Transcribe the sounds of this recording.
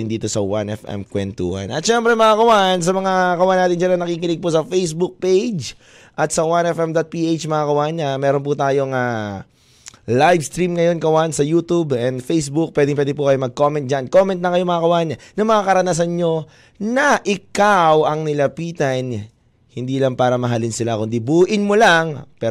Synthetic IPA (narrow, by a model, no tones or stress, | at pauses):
ɪnd̪iːt̪o̞sɐwa̰nɛfʔɛ̰mkwɛnt̪ṵhɐ̰nɐ̰t̪ʃɛmpɾɛmɐakɐwaʔns̬ɐmɐŋakɐwanaːt̪ɪnd͡ʒanɐŋnɐkiːkɪnɪɡ̚pusɐfejsbuk̚pejd͡ʒ | ʔɐt̪sɐwanɛfɛmd̪at̪̚piʔet͡ʃmɐŋakɐwanːɐmɛːɾonp̬ut̪aːjo̞ŋaː | lajvst̪ɾimŋɐjo̞nkɐwansɐjuːt̪ubɛnd̪fejsbuk̚pwɛːd̪ɪŋp̬wɛːd̪ɪp̬ukɐjomɐɡ̚ko̞mɛnt̪̚d͡ʒanko̞mɛ̃nt̪nɐkɐjo̞mɐŋakɐwaːɲɐnɐŋmɐŋakɐɾɐnas̬ɐnɲo̞ | nɐʔɪkawɐŋnɪlɐpiːt̪ɐn | hɪnd̪iːlɐŋpaːɾɐmɐɦalɪnsɪlakʊnd̪ibuːʔɪnmolaŋpɛ